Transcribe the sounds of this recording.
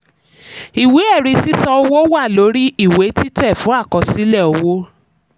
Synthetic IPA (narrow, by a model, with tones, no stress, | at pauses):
i˨wi˨˦ɛ˦˨ɾi˧si˦sɔ˧o˧wo˦wa˦˨lo˨˦ɾi˦ʔi˦˨we˨˦ti˦tɛ˦˨fũ˨˦a˦˨kɔ˨˧si˦lɛ˦˨ɔ˧wo˦